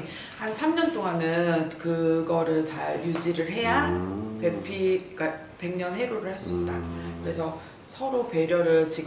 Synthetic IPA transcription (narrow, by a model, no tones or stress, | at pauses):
hansʰamɲʌnt͈oŋanɯnkɯɡʌɾɯɭt͡ɕaɾjud͡ʑiɾɯɭɦe̞japepʰik͈a | pe̞ŋɲʌnɦe̞ɾoɾɯɭhes͈ʌp̚t͈akɯɾe̞sʰʌ | sʰʌɾope̞ɾjʌɾɯɭt͡ɕi